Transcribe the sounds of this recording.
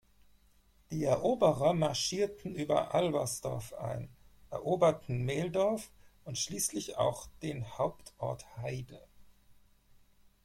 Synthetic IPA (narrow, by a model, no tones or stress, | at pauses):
d̥iːɛɐʔoːbəʁɐmaɐʃiːɐtn̩ʔyːbɐ̰ʔalvɐsd̥ɔ̰ɐfʔa̰ɪnʔɛɐʔoːbɐtn̩meːldɔɐfʔʊntʃliːslɪça̰ʊxd̥eːnhaʊptʔɔɐthaɪdə